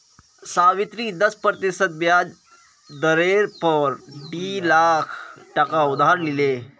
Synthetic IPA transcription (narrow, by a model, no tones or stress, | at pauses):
saʋit̪ɾiːd̪əspɾət̪isət̪̚ʋjad͡z | d̪əɾeɾpəɾʈilakʰʈəkaud̪ʱaɾlile